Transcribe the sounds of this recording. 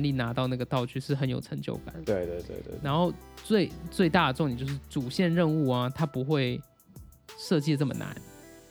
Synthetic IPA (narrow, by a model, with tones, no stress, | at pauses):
nli˥˩na˧˥t̪ɑ˥˧ʊna˥˩ɡə˩t̪ɑ˥˧ʊt͡ɕʰy˥˧ʂɻ̩˥˩xə˧˥njo˨˩ʊʈ͡ʂʰɤ˧˥ŋt͡ɕjo̰˥˩ʊka̰˨˩˦nt̪we˥˩ɪt̪we˥˧ɪt̪wḛ˥˧˥ɻa˧˥nxo˥˧ʊt͡swe˥˩ɪt͡swe˥˧ɪt̪a˥˩d̪ə˩ʈ͡ʂʊ˥˧ŋi˨˩t͡ɕjo˥˧ʊʂɻ̩˥˩t͡su˨˩ɕjɛ˥˧nɻə˥˧nu˥˩ɐ˦t̪ʰa˥pu˧˥xwe˥˩ɪ | ʂɤ˥˧t͡ɕi˥˧nə˥˩mə̰˩na̰˧˥˦n